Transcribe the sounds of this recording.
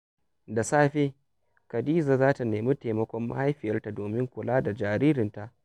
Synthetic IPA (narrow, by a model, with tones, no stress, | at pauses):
da˨saː˦ɸe˦ | ka˨diː˦zaː˨zaː˦ta˨neː˨mi˦te˨mɐ˦kʷɔ˦mːa̰˦ha˦jɸɪ˨jɐ˦rta˨doː˨mɪ˦ŋkʷʊ˨laː˦da˨d͡ʒaː˨ɾiː˦ɾɪ˨nta˨ʔ